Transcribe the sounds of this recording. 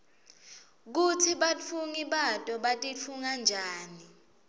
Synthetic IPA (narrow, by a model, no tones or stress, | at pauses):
k̬utʰiɓafʰuŋiɓatʼɔɓatʼifʰuŋand͡ʒʱaːni